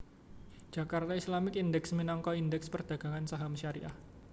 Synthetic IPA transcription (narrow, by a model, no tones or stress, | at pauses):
d͡ʒ̥akart̪aislamɪkindɛksminaŋkɔindɛkspərd̥aɡ̥a̤ŋansaɦamʃaɾḭʔah